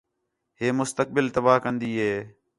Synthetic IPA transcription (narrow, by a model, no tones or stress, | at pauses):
ɦeːmʊst̪ək̚bɪlt̪əbaːkənd̪iːɦeː